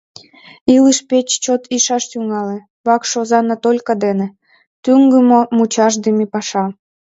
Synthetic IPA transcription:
ilɨʃpet͡ɕt͡ɕot̪ʰiʃɑʃt̪yŋɑle | βɑkʃozɑnɑt̪olʲkɑd̪enĕ | t̪yŋɡəmomut͡ɕɑʃd̪emepɑʃɑ

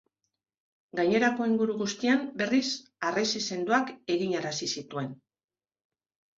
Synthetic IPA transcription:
ɡaɲe̞ɾako̞iŋɡuɾuɣust̪iambe̞risaresise̞nd̪uake̞ɣiɲaɾasisit̪ue̞n

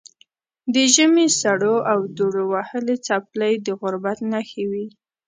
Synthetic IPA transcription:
d̪əʒəmesaɽoʔawd̪oɽowahəlet͡sapləjd̪əɣʊɾbat̪naxawi

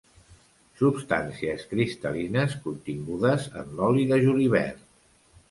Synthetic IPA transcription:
supst̪a̰nsiəskɾist̪əlinəskunt̪iŋɡuðəzə̰nlɔliðəʒuliβ̞ɛ̰ɾt̪

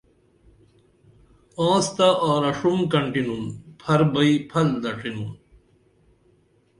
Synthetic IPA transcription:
ãːst̪aʔaːɾɐʂumkɐɳʈinunpʰɐɾbɐipʰɐld̪ɐʈʰinum

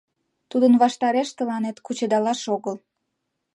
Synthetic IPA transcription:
t̪ud̪ənβɑʃt̪ɑɾeʃt̪əlɑnet̪kut͡ɕed̪ɑlɑʃoɣəl

